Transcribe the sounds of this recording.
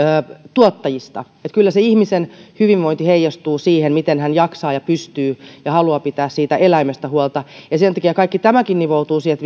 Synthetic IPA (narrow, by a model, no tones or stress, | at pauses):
øːt̪uot̪ːɑjist̪ɑ̰ | et̪kylːæseihmisenhyʋinʋoint̪iheijɑst̪uːsiːhenmit̪enhænjɑksɑːjɑpyst̪yːjɑhɑluɑpit̪æːssiːt̪æʔelæimest̪æhuolt̪ɑjɑsent̪ɑkiækɑikːit̪æmækinniʋout̪uːsiɛlt̪